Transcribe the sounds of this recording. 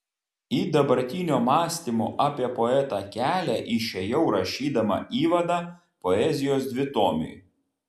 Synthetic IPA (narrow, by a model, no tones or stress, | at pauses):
iːd̪ɐbɐɾʲt̪ʲinʲoːmɑːsʲt̪ʲimo̰ːʔɑːpʲiɛpɔɛt̪ɑkʲæːlʲæʔɪʃʲɛjɛʊɾɐʃʲiːd̪ɐmɐ̰ʔiːʋɐd̪ɑː | pɔɛzʲɪjoːsd̪ʲʋʲɪt̪oːmʲɪ̰j